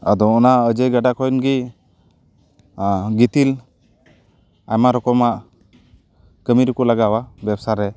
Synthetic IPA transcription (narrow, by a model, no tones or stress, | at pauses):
a̰d̪ɔɔnaəd͡ʒəjɡaɖakɔjnɡi | ɡit̪il | a̰jmaɾɔkɔmaʔ | kəmiɾukulaɡawabɛbsaɾɛ